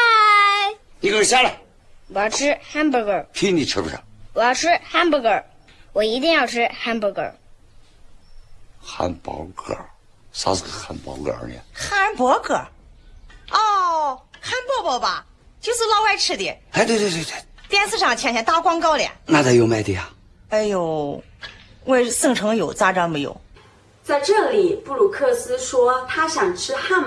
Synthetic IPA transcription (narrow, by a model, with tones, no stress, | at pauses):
a˥ | ni˨˧kə˧˥˩ɕja˥la˨˩ | wɔ˨˩jɑ˥˩ʊʈ͡ʂʰɻ̩˥xa˥np̬wɔ˧˥kə˨˩kʰi˥˧ni˨˩ʈ͡ʂ̩ʰ˥pə˧˩a̰˧˩wɔ˨˩jɑ˥˩ʊʈ͡ʂʰɻ̩˥xa˥npɔ˧˥kə˞˨˩ | wɔ˨˩i˧˥t̪i˥˧ŋjɑ˥˩ʊʈ͡ʂʰɻ̩˥xa˥npwɔ˧˥kə̰˨˩˦ | xa̰˧˥npɑ̰˧˥ʊkʰə̰˨˩ | sa̰˧skə˧˩xa̰˧˥npɑ̰˧˥kə̰˧˨ə̰˧nḭ˨˦xa˥npwɔ˧˥kʰɤ̰˨˩ | ɔ˥˧ | xa˥npwɔ˥pɔ˧˥˩bɐ˧ | t͡ɕjo˥˧ʊʂɹ̩˥˧lɑ˥˧ʊwa˥˧ɪʈ͡ʂʰɻ̩˥d̪i˥˩a˧t̪e˥˩t̪e˥˧˩t̪t̪jɛ˥˧nsɹ̩˥˧ʂɑ˥˩ŋt͡ɕʰjɛ˥nt͡ɕʰjt̪a˥˩kwɑ˥ŋkɑ˥˩ʊljɛ̰˨˩nna˥˧˩a˧˩jo˧ma˧˩ɪt̪i˧a˧ | e˥ɪjo˨˩ʊ | we˥˩ɪsɤ˥˩ŋʈ͡ʂʰɤ˧˥ŋjo˨˩ʊt͡sa˥ʈ͡ʂɑ˥nmə˧˩jo̰˨˩˦ʊ | t͡sa˥˧ɪʈ͡ʂɤ˥˩li˨˩pu˥˩lu˨˩kʰɤ˥˩sɹ̩˥ʂwɔ˥t̪ʰa˥ɕjɑ˨˩ŋʈ͡ʂʰɻ̩˥xa˥˧n